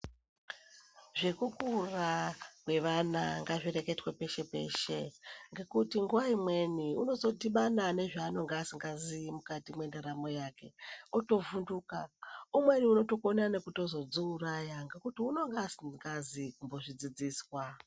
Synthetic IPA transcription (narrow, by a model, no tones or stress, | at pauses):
ʐe̞kukurakwe̞ʋanaŋɡaʐire̞ke̞twepe̞ʃe̞pe̞̰ːʃe̞ŋɡe̞kutiŋɡuwaimwe̞niṵno̞zo̞tiɓanane̞ʐaːno̞ŋɡeːsiŋɡazimukatimwe̞ndeɾamo̞jake̞oto̞vunduːkaumwe̞niuno̞to̞konane̞kuto̞zo̞d͡zuːrajaŋɡe̞kutiuno̞ŋɡeasiŋɡazikumbo̞ʐid͡zid͡ziːswa